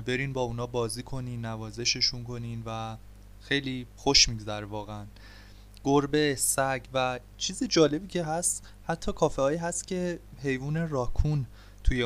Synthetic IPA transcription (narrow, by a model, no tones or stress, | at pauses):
be̞ɾiːnbɒːunɒːbɒːziːkʰo̞niːnːævɒːze̞ʃe̞ʃunkʰo̞niːnvæ | xejliːxoʃmidd̪æɾvɒːɣeæn | ɡ̥oɾbesæɟvæ | t͡ʃʰiːzid͡ʒɒːle̞biːcʰe̞ɦæst̪ | hæt̪ʰːɒːkʰɒːfehɒːiːɦæst̪cʰe̞ɦe̞jvuːneɾɒːkʰun | t̪ʰuje